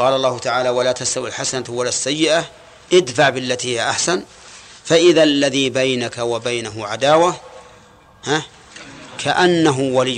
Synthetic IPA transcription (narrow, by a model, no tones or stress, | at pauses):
ɑːlɑlˤːɑːhʊt̪aʕaːlawalaːt̪ast̪awilħasanat̪walasːajːɪʔa | ʔɪd̪faʕbɪlːat̪iːhɪjaʔaħsan | faʔɪðalːaðiːbajnakawabajnaɦʊʕad̪aːwa | ha | kʰaʔanːaɦʊwalɪjː